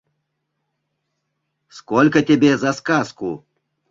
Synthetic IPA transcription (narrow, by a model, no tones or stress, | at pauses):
skɔlʲkɐtʲabʲɛzɐskasku